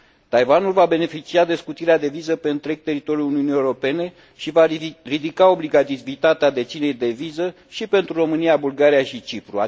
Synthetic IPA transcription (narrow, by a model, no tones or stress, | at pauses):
t̪ajvanulvabe̞ne̞fit͡ʃiad̪e̞skut̪iɾead̪e̞vizəpe̞ɨnt̪ɾe̞ɡ̚t̪e̞ɾit̪o̞ɾjuluniunijewuɾo̞pe̞ne̞ | ʃivarid̪ikao̞bliɡat̪ivit̪at̪ead̪e̞t̪t͡ʃsine̞jd̪e̞vizə | ʃipe̞nt̪ɾuro̞mɨniabulɡaɾijaʃit͡ʃipɾua̰